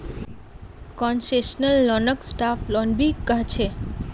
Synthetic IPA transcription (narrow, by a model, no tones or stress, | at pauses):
kɔnseʃnəlːɔnəksʈaflɔnbikkːaɦt͡ɕʰe